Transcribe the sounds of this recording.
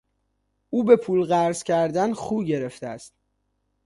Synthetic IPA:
uːbe̞pʰuːlɢæɾzcʰæɾd̪ænχuːɟe̞ɾe̞ft̪eæ̰st̪̚

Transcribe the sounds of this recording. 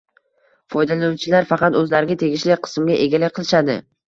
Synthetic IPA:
fɒjd̪alanut͡ʃʰɪlaɾfɑqɑt̪ɵzlaɾɪɡʲat̪ʰe̞ɡʲɪʃlɪqʰɨ̥smɡʲaʔe̞ɡʲalɪkʲqʰɨlˠɪʃad̪ɪ̰

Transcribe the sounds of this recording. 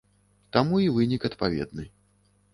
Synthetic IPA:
t̪amuivɨnʲikɐt̪pavʲɛ̰d̪nɨ

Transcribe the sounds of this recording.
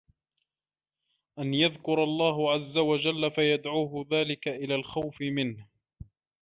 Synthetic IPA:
ʔanjaðkʊɾˤɑlˤːɑːɦʊʕazːawad͡ʒalːafajad̪ʕuːɦʊðaːlɪkaʔɪlaːlxawfɪmɪnh

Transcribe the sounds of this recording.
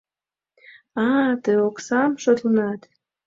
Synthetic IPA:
ɑt̪əoksɑmʃot̪lnɑt̪

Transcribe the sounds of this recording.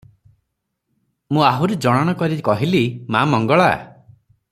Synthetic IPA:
mũaɦuɾed͡ʒɔɽ̃ɔɽ̃ɔkɔɾikɔɦilimamɔŋɡɔɭa̰

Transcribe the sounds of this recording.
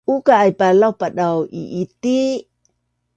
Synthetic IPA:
ukaːjpalawpaɗawḭʔit̪i

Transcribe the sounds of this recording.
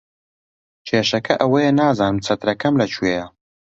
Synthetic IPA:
t͡ʃʰeːʃɐkʰɐʔɐwɐjenaːzaːnɨmt͡sʰɐt̪ɾɐkɐmlɐt͡ʃʰuejɐ

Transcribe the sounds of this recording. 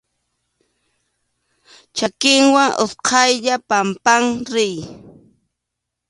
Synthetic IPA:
t͡ʃakɪŋwaŋʔo̰sqʰɑjʎapampaŋɾɪj

